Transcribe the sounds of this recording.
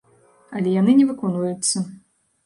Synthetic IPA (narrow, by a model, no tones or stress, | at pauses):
ɐlʲɛjanɨnʲɛvɨkɔnvɐjut̪sːɐ